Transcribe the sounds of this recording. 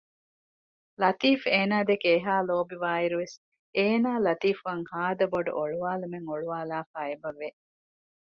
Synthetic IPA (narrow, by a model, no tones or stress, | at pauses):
lɐt̪iːfeːnaːd̪ekeːɦaːloːbiʋaːiɾuʋes | eːnaːlɐt̪iːfuʋɐŋhaːd̪ɐboɖṵʔoɭuʋaːlumeŋoɭuʋaːlaːfaːebɐʋːe